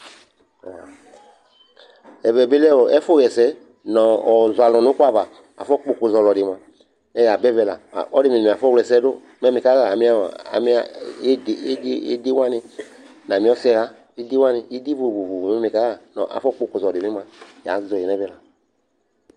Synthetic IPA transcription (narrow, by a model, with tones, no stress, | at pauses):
ɔ̰˨ | ɛ˨vɛ˨be˦lɛ˦wɔ˨ɛ˦fo˦˨ɣɛ˨sɛ˦ | nɔ̃˨ɔ˨zwa˨lɔ̃˨nʊ˦kʷa˦va˨ | a̰˨fɔ˦k͡po˨ko˨zɔ˨lɔ˨dɪ˨m˨ã˨ | nɛ˦ja˨bɛ˦vɛ˨la̰˨ɔ˦de˦mi˨a˨fɔ˦˨wlɛ˨sɛ˦do˦ | mɛ˦mĩ˨ka˦ɣa˨a˨mĩ˦a̰˦˨a̰˨mi˦a˨˦ddḛ˦de˦wã˦nɪ˨ | nã˨mĩ˨˦ɔ˦sɛ˦ɣa˦ | i˦di˦wã˦nɪ˨i˦di˦vo˨vo˨vo˨mɛ˦mĩ˨ka˦ɣa˨nɔ̰̃˨ʔa̰˨fɔ˦k͡po˨ko˨zɔ˨dɪ˨mĩ˦mã˨ja̰˨˦zɔ˨ɛ˨nɛ˦vɛ˦la˨